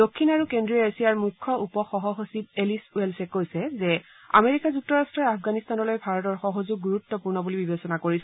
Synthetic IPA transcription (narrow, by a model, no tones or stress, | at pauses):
dokʰːinaɹukendɹiɔesiaɹmukʰːɔʔupɔxɔɦɔɦosib̚elisuelsɛkojsɛzɛ | a̰meɹikazuk̚tɔɹastɹɔjafɡanist̪anɔlojbʱaɹɔtɔɹxɔɦozuɡ̚ːuɹut̪ːɔpuɹnɔbulibibesɔnakoɹisɛ